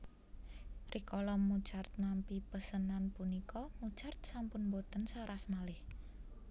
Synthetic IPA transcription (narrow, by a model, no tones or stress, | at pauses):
rʔikɔlɔmːu̥t͡ʃart̪̚nampipəsənanpunikʰɔmu̥t͡ʃart̪̚sampʊnbot̪ənsaɾasmalɪh